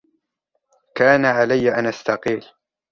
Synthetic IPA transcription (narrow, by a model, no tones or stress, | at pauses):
kaːnaʕalajːaʔanast̪ɑqiːl